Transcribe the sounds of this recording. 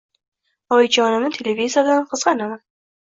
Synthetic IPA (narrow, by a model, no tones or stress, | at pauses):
ɒjd͡ʒɒnɪnɪt̪ʰelevizijad̪anqʰɨzʁɑnaman